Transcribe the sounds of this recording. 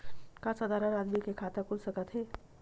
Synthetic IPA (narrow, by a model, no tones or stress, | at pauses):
kasəd̪ʱaɾənad̪mikekʰat̪akulsəkət̪ɦe